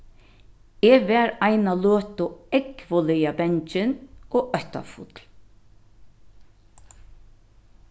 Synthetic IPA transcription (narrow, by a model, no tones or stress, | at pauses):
eːʋɛːɾaɪnaløːt̪ʊɛkʋɔlɪjabɛɲt͡ʃɪnoːœht̪a̰fʊt̪l